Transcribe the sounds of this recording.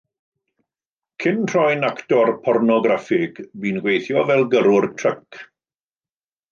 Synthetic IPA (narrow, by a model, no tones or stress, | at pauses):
kʰɪnr̥ɔjnaktɔrpʰɔrnɔɡɾafɪɡ̥biːnɡwejθjɔvɛlˠɡəɾʊrtʰrək